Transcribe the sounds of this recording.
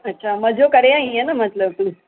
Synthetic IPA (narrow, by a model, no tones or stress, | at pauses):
ətːɕʰaməd͡ʑʱokəɾeaijenam̤ət̪ləʋt̪umi